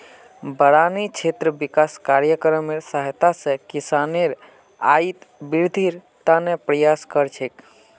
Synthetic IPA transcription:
bəɽanit͡ʃʰet̪ɾəbikaskaɾjəkɾəmeɾsaɦt̪asẽkisaneɾ | ait̪biɾd̪ʱiɾ | t̪anepɾəjaskəɾt͡ʃʰek

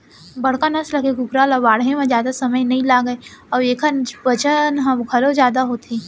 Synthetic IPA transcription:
bɐɽ̤kanɐslɐkeɡʊkɾaːlɔbaːɽɦẽmẽd͡ʒjaːd̪asɐməjnɐɦĩlaːɡəeɔːeːkʰənbɐt͡ʃənɦɐɡʱɐlod͡ʒjaːd̪aɦoːt̪ʰiː

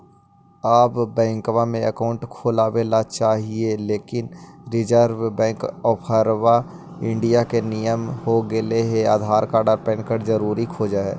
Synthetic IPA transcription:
aːpbɛ̃ːŋkwamẽəkaːʊ̃ɳʈkʰoːlabelat͡ʃaːɦieleːkɪnɾɪd͡ʒəɾwbɛ̃ːŋkɔːpʰəɾwa | ɪ̃ɳɖijakenijəmhoɡeleɦeaːd̪ʱaːɾkaːɾɖəɾpɛ̃ːɳkəɾd͡ʒəɾuːɾikʰoːd͡ʒaɦɛ̰ː

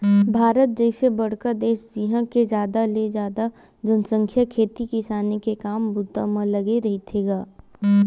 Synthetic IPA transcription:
bʱaːɾət̪̚d͡ʒəɪsebɐɽ̤kəd̪eːʃd͡ʒiːɦə̃ked͡ʒjaːd̪aled͡ʒaːd̪a | d͡ʒənsə̃ŋkʰjəkʰeːt̪ikɪsaːnekekaːmbʊd̪amə̃lɐɡeɾɐɦit̪ʰeːɡaː

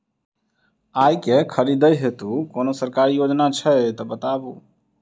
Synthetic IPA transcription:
aːjkekʰəɾid̪əjɦet̪ukoːnosəɾkaːɾijoːd͡ʒnat͡ʃʰət̪ɔbət̪aːbuː

